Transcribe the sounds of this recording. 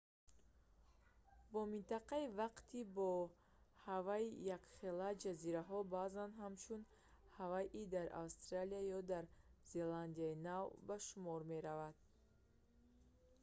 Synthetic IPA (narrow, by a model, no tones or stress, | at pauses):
bɔmint̪aqaivaqt̪ʰibɔ | havaijakχelad͡ʒaziɾaɦɔbazanɦamt͡ʃʰun | havaʔid̪aɾʔa̰wst̪ɾaliajɔd̪aɾze̞land̪iainavbaʃumɔɾme̞ɾavad̪̥̚